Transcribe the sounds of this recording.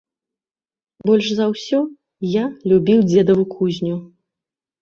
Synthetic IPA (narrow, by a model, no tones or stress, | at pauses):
bɔlʲʂzɐwsʲɔ | jalʲubʲiwd͡zʲɛd̪ɐvukʰuzʲnʲu